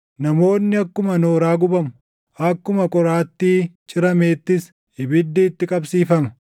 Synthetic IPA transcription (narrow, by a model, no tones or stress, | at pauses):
nɐmo̞ːnːɪɐkːʊmɐnoːɾaːɡʊbɐmʊ | ɐkːʊmɐkʼɔɾaːt̪ːiːt͡ʃʼɪɾɐme̞ːt̪ːɪs | hɪbɪd̪ːiːt̪ːɪkʼɐbsiːfɐmɐ̥